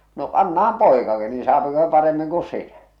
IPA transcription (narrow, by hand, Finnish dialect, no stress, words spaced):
no ɑnːɑhɑm poˑe̝kɑki niːn̞ sɑːpiko se̥ pɑremːiŋ ku sinæ